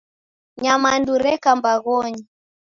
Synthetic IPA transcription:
ɲamanduɾɛkambaɣɔɲi

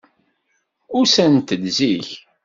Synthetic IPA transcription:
ʊɾsænt̪əlziç

